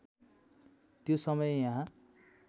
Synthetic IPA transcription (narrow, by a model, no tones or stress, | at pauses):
t̪josʌmʌjejãɦã